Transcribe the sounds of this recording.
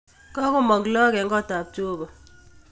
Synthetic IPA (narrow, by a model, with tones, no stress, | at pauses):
kɔ˦kʊ˦mɔ˨klɔ˦kɛ˨ŋɡɔ˦˨ta˨p̚t͡ʃo˦bɔ˨